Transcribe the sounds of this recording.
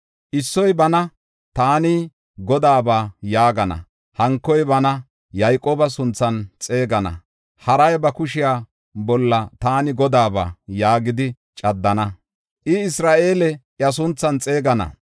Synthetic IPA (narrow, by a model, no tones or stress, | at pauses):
ʔɪsːɔjbɐnɐ | t̪aːni | ɡɔd̪aːbaːjaːɡɐnɐ̰ | hɐŋkːɔjbɐnɐ | jɐjkʼoːbɐsʊnt͡sːɐnt͡sʼe̞ːɡɐnɐ̰ | hɐɾɐjbɐkʊʃɪjaː | bɔlːɐt̪aːnɪɡɔd̪aːba̰ːjaːɡɪd̪ɪ | t͡ʃʼɐd̪ːɐnɐ | ʔɪɪsɾaːʔe̞ːlɛʔjɐs̬ʊnt͡sːɐnt͡sʼe̞ːɡɐnɐ̰